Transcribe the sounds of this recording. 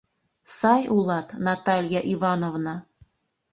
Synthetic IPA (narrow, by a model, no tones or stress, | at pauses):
sɑjulˠɑt̪nɑt̪ɑlʲjaʔivɑnovnɑ